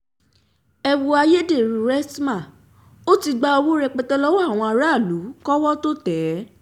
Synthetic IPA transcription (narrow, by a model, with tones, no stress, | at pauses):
ɛ˧wu˧a˧je˦de˦˨ɾũ˧ɾɛ˦smã˦˨ | o˦ti˧ɡ͡ba˧o˧wo˦ɾɛ˧k͡pɛ˧tɛ˧lɔ˦wɔ˦a˦˨w̃ɔ̃˧a˧ɾa˦˨lu˨˦kɔ˦wɔ˦to˦tɛ˨˦